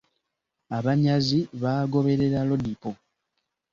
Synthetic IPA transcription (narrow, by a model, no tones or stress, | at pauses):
aβaɲaziβaːɡo̞βe̞ɾe̞ɾalo̞dipo